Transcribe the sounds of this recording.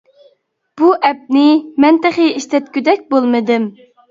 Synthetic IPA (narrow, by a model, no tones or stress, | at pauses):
b̥uʔɛp̚nɪmɛnt̪ɪχɪiʃt̪ɛt̪̚kʲyd̪ɛk̚ʲbolˠmɨd̪ɪm